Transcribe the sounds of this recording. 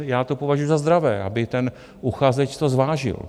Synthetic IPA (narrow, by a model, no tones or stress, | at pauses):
jaːt̪opo̞vaʒujuzazd̪ɾavɛːʔa̰bɪt̪ɛn | ʔuxaːzɛt͡ʃt̪o̞zvaːʒɪ̰l